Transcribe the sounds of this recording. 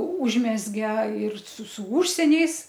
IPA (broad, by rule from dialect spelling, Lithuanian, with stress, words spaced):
ˈuːʒʲmʲɛzʲɡʲɛ ɪr sʊ sʊ ˈuːʃʲsʲiɛnʲɛɪs